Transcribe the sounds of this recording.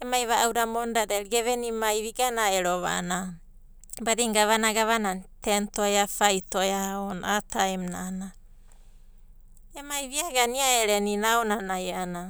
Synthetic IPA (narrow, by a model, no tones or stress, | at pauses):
emajβaʔawdamondadeɾɡeβenimajβiɡanaeɾoβa̰na | badiŋɡaβanaɡaβanatentoeafajtoeaonatajmnana | emajβiaɡaniaeɾeninaonanajeʔana